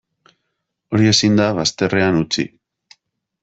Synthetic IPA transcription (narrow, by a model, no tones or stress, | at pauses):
o̞ɾie̞sind̪aβast̪e̞re̞anut͡sḭ